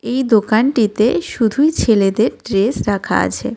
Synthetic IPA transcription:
ejd̪okanʈit̪eʃud̪ʱujt͡ɕʰeled̪eɾʈɾesɾakʰa̰a̰t͡ɕʰe

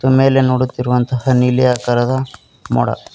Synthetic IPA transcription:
t̪ume̞ːle̞noːɽut̪ːiɾuʋɐnt̪ɐhɐnilijakɐɾɐd̪ɐ | mɔ̰ɽɐ̰

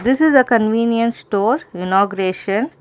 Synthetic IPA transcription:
d̪ɪsɪzəkə̃nʋĩːnjə̃nsʈoːɾɪnɔːɡʊɾeːʃə̃n

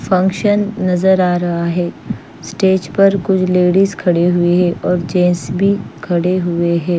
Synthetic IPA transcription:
fʰɐ̃ŋkʃənːɐzəɾaːɾɐɦaɦɛː | sʈeːd͡ʒpɐɾkʊt͡ʃʰleːɽizkʰɐɽeɦʊeɦɛ̃ːʔɔːɾd͡ʒẽːnsbʱikʰɐɽeɦʊeɦɛ̃ː

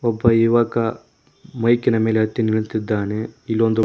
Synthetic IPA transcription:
ɔbːɐiʋɐkːɐ | mɐjkinɐme̞ːleɦɐt̪ːiniɭt̪id̪ːaːneilːond̪u

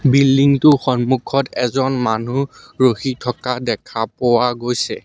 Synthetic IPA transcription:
bildiŋtʊxɔnmukʰɔtɛzɔnmanu | ɹoxitʰɔkadɛkʰapowaɡojsɛ

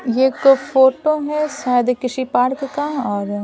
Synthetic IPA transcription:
jeːkfoːʈoɦɛsaːjd̪kɪʃipaːɾkkaɔːɾ

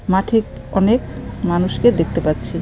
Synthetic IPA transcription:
maʈʰikɔnekmanuʃked̪ek̚ʰt̪epat̪ːɕʰi

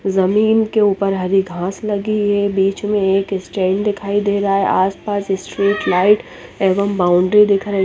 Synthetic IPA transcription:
zɐmiːnkeuːpəɾɦɐɾiɡʱãːslɐɡiɛbiːt͡ʃmẽeːkɪsʈẽːɳɖd̪ɪkʰaːid̪eːɾɐɦaɦɛʔaːspaːsɪsʈɾiːʈlaːɪʈ | eːʋəmbaːʊ̃ɳɖɾid̪ɪkʰɾɐ

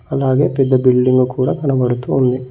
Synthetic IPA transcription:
ɐlːaːɡe̞ːpɛd̪ːɐbiɭːiŋɡukuːɽat̪ɐnɐbɐɾut̪uːnd̪i

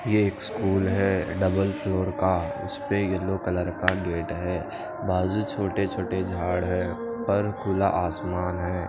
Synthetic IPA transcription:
jeeːkskuːlɦɛːɖɐbəlfʰloːɾkaʊ̰speelokələɾkaɡeːʈɦɛː | bʱaːd͡ʒut͡ʃʰoːʈet͡ʃʰoːʈed͡ʒʱaːɽɦɛː | pɐɾkuːla̰ʔaːsmaːnɦɛː

